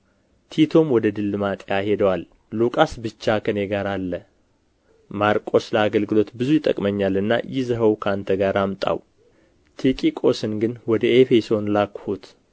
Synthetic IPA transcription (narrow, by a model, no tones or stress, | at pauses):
t̪ʰit̪ʰo̞mwɔd̪əd̪ɨlːɨmat̪ʼjahe̞d̪əwalː | ukʼasbɨt͡ʃːakʰɨnjeɡaɾalːə | maɾkʼo̞sləaɡəlɡɨlo̞t̪bɨzujɪt̪ʼːə̰kʼməɲːalɨnːa̰jɪzəɦəwkʰəant̪ʰəɡaɾamt̪ʼa̰w | t̪ʰikʼikʼo̞sɨnɡɨnwɔd̪əefeso̞nlakhut̪